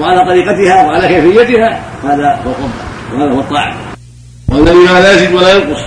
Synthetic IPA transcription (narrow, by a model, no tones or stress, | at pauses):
waʕalaːt̪ˤɑɾiːqɑt̪ɪhaːwaʕalaːkajfɪjːat̪ɪhaːfhaːðahuwalʔʊbːɑ̰wahaːðahuwɑt̪ˤːɑ̰ːʕɪ̰m | waʔalːaðiːmalaːzɪmwalaːjɑlqʊsˤ